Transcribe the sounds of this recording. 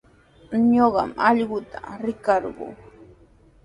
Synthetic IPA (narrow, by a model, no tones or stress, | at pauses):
ɲoɢɑ̰mɑʎɢʊt̪ʰḁɾɪkɑɾɢʊ̰ː